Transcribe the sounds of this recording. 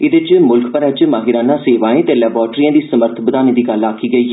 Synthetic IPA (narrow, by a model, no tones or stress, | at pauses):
ɪd̪ɪt͡ʃmʊlkʰpəɾɛt͡ʃmaːɦɪɾaːnãːseːʋãːẽːt̪eːlɛːbaːɾʈɾiːãːd̪iːsəməɾt̪ʰbəd̪aːnẽːd̪iːɡəlaːkiːɡəiː